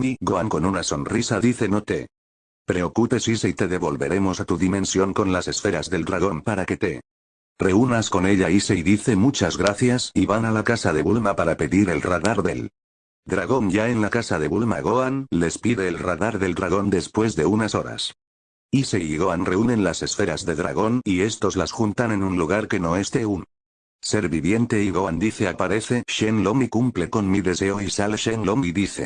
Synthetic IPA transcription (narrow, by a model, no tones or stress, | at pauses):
miɣoaŋko̞nunaso̞nrisaðiθe̞not̪e̞ | pɾe̞o̞kupe̞siseit̪e̞ðe̞βo̞lβe̞ɾe̞mo̞sat̪uðimẽ̞nsjo̞ŋko̞nlase̞sfe̞ɾazðe̞ld̪ɾaɣ̞o̞mpaɾake̞t̪e̞ | re̞unasko̞ne̞ʎaiseiðiθe̞mut͡ʃazɣɾaθjasiβanalakasaðe̞βulmapaɾape̞ðiɾe̞lraðaɾðe̞l | d̪ɾaɣo̞nʝae̞nlakasaðe̞βulmaɣo̞anle̞spiðe̞ːlraðaɾðe̞ld̪ɾaɣo̞nd̪e̞spwe̞zðe̞unaso̞ɾa̰s | iseiɣo̞anre̞unẽ̞nlase̞sfe̞ɾazðe̞ðɾa̰ɣ̞o̞nie̞st̪o̞zlasxunt̪ane̞nunluɣ̞aɾke̞no̞e̞st̪e̞un | se̞ɾβiβje̞nt̪e̞iɣoand̪iθe̞apaɾe̞θe̞ʃenlomikumple̞ko̞nmiðe̞se̞oisaleʃenlomiðiθe̞̰